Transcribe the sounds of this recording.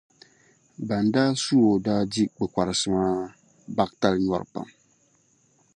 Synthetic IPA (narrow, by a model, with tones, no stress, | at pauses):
ba˨n˨daː˦su˦o˨daː˦di˦k͡pɛ˨kʷa˨ɾɨ˨sɨ˨maː˦ | ba˦k̚ta˦lɲɔ˦ɾɨ̰˨pa̰˨m